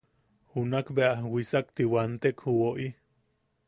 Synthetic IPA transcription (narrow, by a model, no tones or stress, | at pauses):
hunakbeahwisak̚t̪iwant̪ekhuwoʔi